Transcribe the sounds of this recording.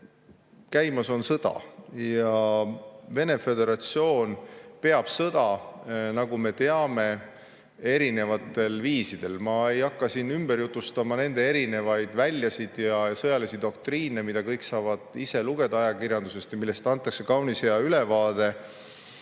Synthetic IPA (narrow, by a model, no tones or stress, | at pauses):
kæjmɑso̞nsɤd̪̥ɑ̰jjɑ | ve̞ne̞fe̞d̪e̞ɾɑt̪sio̞ːnpe̞ɑb̥sɤd̪̥ɑnɑɡume̞t̪e̞ɑme̞ | e̞ɾine̞vɑt̪ːˑe̞lviːsid̪̥e̞lmɑe̞jɑkːɑsinːymb̥e̞ɾjut̪ˑːust̪ɑmɑne̞nd̪e̞e̞ɾine̞vɑjd̪̥vælʲjɑsid̪̥jɑsɤjɑlisid̪̥o̞k̚t̪riːne̞mid̪̥ɑkɤjksɑːvɑd̪̥ise̞luɡ̥e̞d̪ɑɑjɑkiɾjɑnd̪use̞st̪jɑmilːe̞st̪ɑnt̪ːˑɑkse̞kɑwnisejɑylevɑːd̪e̞